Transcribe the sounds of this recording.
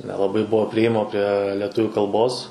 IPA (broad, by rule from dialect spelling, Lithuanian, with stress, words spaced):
nʲɛlˠɐˈbɐɪ ˈbʊʋoː pʲrʲɪeːˈjɪmoː pʲrʲiɛ lʲiɛˈtʊʋʲuː kɐlˠˈboːs